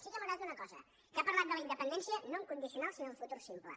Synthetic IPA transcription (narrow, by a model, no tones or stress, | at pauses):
ʃikəməɣɾaunəkɔzə̰ | kapəɾlˠat̪̚d̪ələind̪əpənd̪ɛnsiənoŋkund̪isiunalˠsinoəfut̪uɾsimplə̰